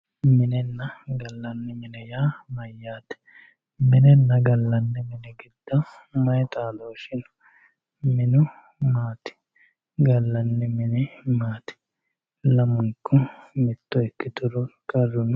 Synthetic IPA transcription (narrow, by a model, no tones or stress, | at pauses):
mɪnɛnːɐɡɐlːɐnːɛmɪnɛjaːmɐjːaːt̪ɛ̥ | mɪnɛnːɐɡɐlːɐnːɛmɪnɛɡɪd̪̥ːɐw | mɐjt̪ʼaːd̪oːʃɪn | mɪnʊ | maːt̪ɪ̥ | ɡɐlːɐnːɛmɪnɛmaːt̪ɪ̥ | lɐmʊŋkːɔmɛt̪ːɔɛkːɪt̪ʊɾɔkʼɐrːʊn